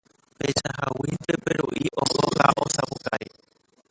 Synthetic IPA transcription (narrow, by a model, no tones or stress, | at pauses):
pet͡ʃaɦawind̪epeɾoʔiʔoʔoɣaʔosapukaɾi